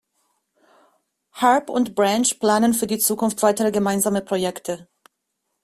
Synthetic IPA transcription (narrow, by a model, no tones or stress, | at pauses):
haɐpʊntb̥ʁanʃpl̥aːnənfyːɐdiːt͡suːkʰʊnftv̥aɪtəʁəɡəmaɪnzaːməpʁ̥ojɛktʰə